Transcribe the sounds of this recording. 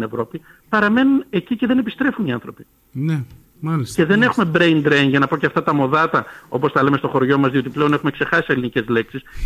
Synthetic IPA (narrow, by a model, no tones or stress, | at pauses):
ne̞vɾo̞pi | pɐɾɐme̞nune̞cice̞ðe̞ne̞pist̪ɾe̞funiɐnθɾo̞pi | ne | mɐlisce̞ðe̞ne̞xume̞bɾejnd̪ɾenʝɐnɐpo̞ceɐft̪ɐt̪ɐmo̞ðɐt̪ɐo̞po̞st̪ɐle̞mest̪o̞xo̞ɾʝo̞mɐzðio̞t̪iple̞o̞ne̞xume̞kse̞xɐsie̞linice̞zle̞ksis